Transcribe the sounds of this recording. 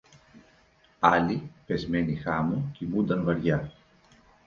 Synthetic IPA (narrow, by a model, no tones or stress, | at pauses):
alipezmenixamucimud̪ɐnvaɾja